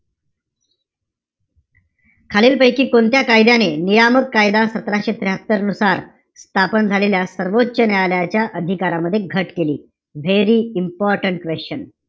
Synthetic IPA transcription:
kʰaliːlpəjkiːkont̪jakajd̪janenijaməkːajd̪asət̪ɾaɕet̪ɾeɦət̪ːəɾənusaɾ | st̪ʰapənd͡zʱaleljasəɾʋotːɕənjaljat͡ɕjaʔəd̪ʱikaɾaməd̪ʱːjeɡʱəʈkeliː | ʋeɾiːimpɔɾʈəɳʈ̚kʋeɕt͡ɕən

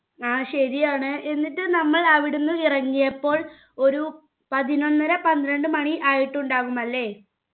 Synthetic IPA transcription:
aːɕɐɾijaːɳɨʔe̞nːiʈːɨnɐmːɐɭɐʋiɽunːɨirɐŋːijɐpːo̞ːɭ | o̞ɾu | pɐðino̞nːɐɾɐpɐnd̪ɾɐɳɖɨmɐɳiʔaːjiʈːuɳɖaːʋumɐlːe̞ː

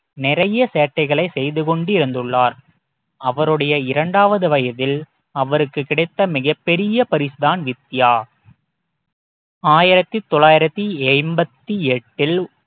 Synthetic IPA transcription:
nɪɾɐjɐseːʈːɐɪɣɐɭɐɪsɛjðɯkɔɳɖɪɾɯnd̪ɯɭːaːɾ | ɐʋɐɾɯɽɐjɐɪɾɐɳɖaːʋɐðɯʋɐjɐðɪl | ɐʋɐɾɯkːɯkːɪɽɐɪt̪ːɐmɪɣɐpːɛɾɪjɐpɐɾɪsɯðaːnʋɪt̪ːɪjaː | aːjɪɾɐt̪ːit̪ːɔɭaːjɪɾɐt̪ːiɛɪmbɐt̪ːiɛʈːɪl

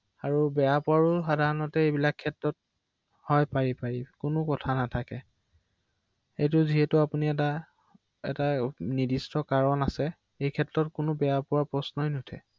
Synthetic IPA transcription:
aɹubɛjapʊaɹʊxadʱaɹɔnɔtɛejbilakʰːɛtɹɔt̚ | hɔjpaɹipaɹikʊnʊkɔtʰanatʰakɛ | ejtʊziɦɛtʊapuniɛta | ɛ̰tanidistɔkaɹɔnasɛ | ejkʰɛtɹɔt̚kʊnʊbɛjapʊwaɹpɹɔsnɔjnutʰɛ̰

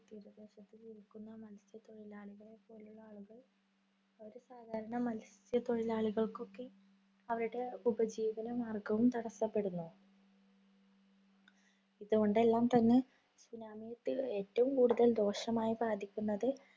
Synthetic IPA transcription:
t̪iːɾuʋɐd̪eːʂɐt̪ːiliɾikːunːɐmɐlsjɐt̪o̞ɻilaːɭiɣɐɭepːo̞ːluɭːɐaːɭuɣɐɭ | ɐɾusaːd̪ʱaːɾɐɳɐmɐlsjɐt̪o̞ɻilaːɭiɣɐɭko̞kːe̞ | ɐʋɐɾuɽe̞ubɐd͡ʑiːʋɐnɐmaːrɡɐʋumt̪ɐɽɐsːɐpːe̞ɽunːu | iðuɣo̞ɳɖe̞lːaːmt̪ɐnːe | sunaːmijɐt̪ːieːtːɐʋumkuːɽuðɐld̪o̞ːʂɐmaːjibaːd̪ʱikʲːunːɐðɨ

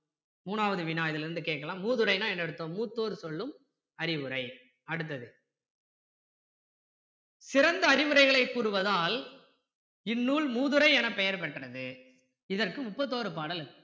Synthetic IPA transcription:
muːnaːʋɐðɯʋɪnaːɪðɪlɾɯnd̪ɯkeːʈkɐlãːmuːðɯɾɐɪnaːɛnːɛɽɯt̪ːoːmːuːt̪ːoːɾɯsɔɭːɯm | ɐɾɪʋɯɾɐɪ | ɐɽɯt̪̬ːɐðɯ | sɪɾɐnd̪ɐːɾɪʋɯɾɐɪɣɐɭɐɪkːuːɾɯʋɐðaːl | ɪnːuːɭmuːðɯɾɐɪɛnɐpɛjɐɾpɐʈːrɐðɯ | ɪðɐrkɯmʊpːɐt̪̬ːoːɾɯpaːɽɐlɯɯ

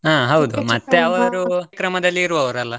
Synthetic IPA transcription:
ɦaːɦɐwd̪umɐt̪ːeɐʋɐɾukɾɐmɐd̪ɐlːiːɾuʋɐʋɐɾɐlːɐ

